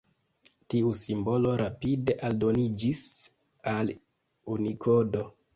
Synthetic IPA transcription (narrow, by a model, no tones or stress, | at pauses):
tiusimbo̞lo̞ɾapide̞ʔaldo̞nid͡ʒis | al | unikʰo̞do̞